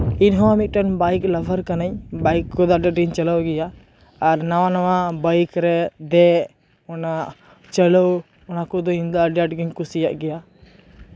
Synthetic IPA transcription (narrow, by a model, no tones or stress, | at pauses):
inɦɔ̃amit̪̚ˀʈanbajkləbʱəɾkanaɲbajkːɔd̪aɖaʈ̚ɡiɲt͡ʃəlawɡɛjaː | ɾnawanawabajkɾɛd̪ɛ | ɔnaʔ | t͡ʃəlɔw | ɔnakɔd̪ɔimd̪ɔɖjaʈɡiɲkusijaʔɡɛja